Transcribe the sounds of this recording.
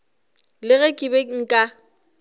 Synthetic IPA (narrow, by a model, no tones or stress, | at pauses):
lɪɣɛkʼɪbɛŋ̩kʼa